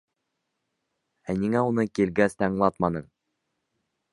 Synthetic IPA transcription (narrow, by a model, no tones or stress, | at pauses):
æniŋæunɤkilɡæst̪ɑɴlˠɑt̪mɑnɤɴ